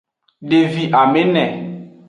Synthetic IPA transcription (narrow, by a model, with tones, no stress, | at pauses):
ɖe˨vi˨ʔa˨me˦nɛ̃˨